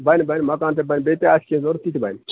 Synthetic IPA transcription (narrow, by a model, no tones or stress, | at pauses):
banibanimakant̪̬ebajnbet̪easkʲezoɾt̪it̪iba̰ni